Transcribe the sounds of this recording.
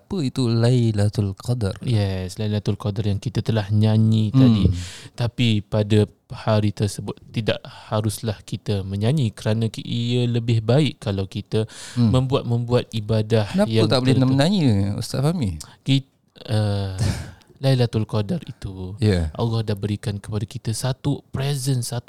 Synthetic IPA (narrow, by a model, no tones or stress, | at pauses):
apəit̪ulailat̪ulkɔdarjɛslailat̪ulkadarjaŋkit̪at̪əlahɲãɲĩt̪adit̪apipadə | haɾit̪ərsəbʊt̪ːida̰ʔhaɾʊslahkit̪əmə̃ɲaɲikəɾanãkiələbɪhbaɪʔkːalawkit̪əmə̃mbuat̪̚mə̃mbuat̪̚ibadahnajaut̪aʔbəlɛnmənaɲəṵst̪aʔfamiki | ə | lailat̪ulkodarit̪ujaʔa̰wɔhdahbəɾikankə̥padakit̪asat̪upɾɛzənsat̪